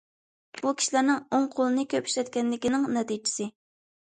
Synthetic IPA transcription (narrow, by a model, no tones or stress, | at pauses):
b̥ukʲʰi̥ʃilæɾnɪŋoŋqʰolˠɨnɨkʲʰøpʰi̥ʃlɛt̪̚kʲɛnlɪkʲinɪŋnɛt̪it͡ʃʰi̥sɪ